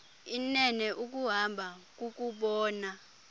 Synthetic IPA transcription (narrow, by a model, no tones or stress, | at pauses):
inɛnɛʔuk̬ʼuɦambʱak̬ʼuk̬ʼuɓɔːna